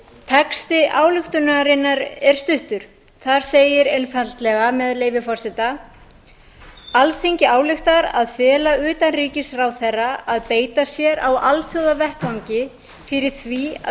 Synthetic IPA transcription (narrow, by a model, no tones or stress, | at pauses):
t̪ʰɛkst̪ɪʔaːwlʏxt̪ʏnaɾɪnːaɾɛɾ̥st̪ʏht̪ʏɾ̥ | θaɾ̥seːjɪɾenfalt̪lɛɣamɛðleːjvɪfɔr̥sɪt̪a | alθejɲcɪaːwlʏxt̪aɾa̰ðfɛːlaʏːt̪anriːcɪsrawθɛrːaːðpeːjt̪asjɛɾawalθjowðavɛhkvawɲcɪ | fɪɾɪɾ̥θvia̰